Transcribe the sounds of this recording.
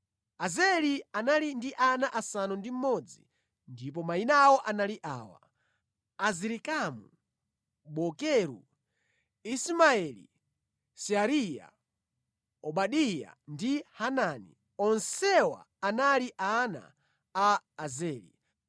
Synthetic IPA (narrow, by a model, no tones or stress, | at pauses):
azɛlianalindiʔanaʔasanɔndim̩mɔd͡zi | ndip̬ɔmainawɔʔanaliʔa̰ːwa̰ | aziɾikamṵ | ɓɔkɛɾṵ | ismaɛlḭ | siaɾija̰ | ɔɓaɗija̰ndihananḭ | ɔnsɛwa̰ːnaliʔana̰ː | zɛːlḭ